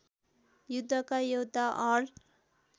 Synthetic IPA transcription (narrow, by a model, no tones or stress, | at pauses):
jud̪ʱːʌkajowd̪ʱaʔʌl